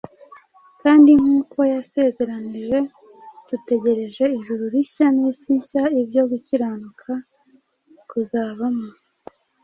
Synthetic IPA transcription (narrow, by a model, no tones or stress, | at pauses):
kaːndiŋ̥uːkʰo̞jase̞ːze̞ɾaniʒe̞ | d̥ute̞ɟe̞ɾe̞ʒe̞iʒuɾuɾiçanisiɲcaibɟo̞ɡuciɾanukʰa | kuzaːβamo